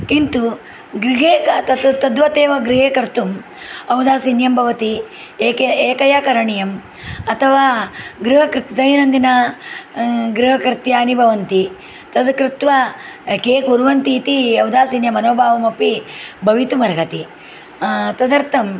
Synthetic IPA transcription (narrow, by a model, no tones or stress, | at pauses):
kint̪u | ɡɾiɦeːkɐt̪ɐt̪t̪ɐd̪ʋɐt̪eːʋɐɡɾiɦeːkɐɾt̪um | ɐwd̪aːsinjɐmbʱɐʋɐt̪iː | keːkɐjaːkɐɾɐɳijɐm | ɐt̪ʰɐʋaːɡɾuɦɐkɾɪt̪d̪ɐjɐnɐnd̪inɐ | ɡɾuɦɐkɾt̪jaːnibʱɐʋɐnt̪i | t̪ɐd̪kɾit̪ʋakeːkuɾʋɐnt̪iːt̪iɐwd̪aːsiːnjɐmɐnoːbʱaːʋɐmɐpibʱɐʋit̪umɐɾɡɐt̪i | t̪ɐd̪ɐɾt̪ʰɐm